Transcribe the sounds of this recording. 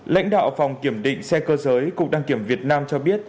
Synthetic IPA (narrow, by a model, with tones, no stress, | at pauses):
la̰˧˥jŋ̟ɗa̰ː˧˨wfa˨˩wŋ͡mki˧˩əmɗḭ̈˧˨ŋ̟sɛ˧kəː˧zəː˨˦jkʊ˨˩k͡p̚ɗaː˧ŋki˧˩əmvi˨˩ət̚naː˧mt͡ɕɔ˧ɓi˦˥ət̚